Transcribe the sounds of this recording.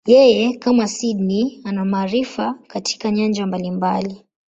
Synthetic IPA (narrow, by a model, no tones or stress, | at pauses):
jɛjɛkamasidnianamaːɾifakatʰi̥kaɲand͡ʒambalimbali